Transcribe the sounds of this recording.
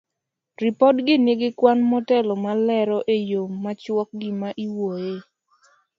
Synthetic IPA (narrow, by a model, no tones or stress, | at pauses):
ripɔdɡɪneɡɪkwanmɔtɛlɔmalɛɾɔʔejomːat͡ʃwɔk̚ɡɪmaʔiwoje